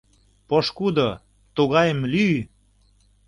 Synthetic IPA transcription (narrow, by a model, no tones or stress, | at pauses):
poʃkud̪o | t̪uɣɑjəmly